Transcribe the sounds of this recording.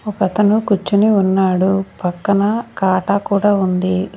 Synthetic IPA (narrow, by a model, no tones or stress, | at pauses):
ɔkɐt̪ɐnukut͡ʃːuniunːaːɽupɐkːɐnɐkaːʈaːkuːɽaːund̪i